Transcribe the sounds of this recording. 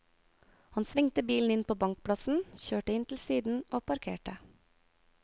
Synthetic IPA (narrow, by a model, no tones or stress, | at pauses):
hɑnsʋɪŋt̪əbiːln̩ɪnpʰoːbɑŋk̚pʰɽɑsn̩çøːʈəɪnt̪ʰl̩siːd̪n̩ʔoːpʰɑɾkʰḛːʈə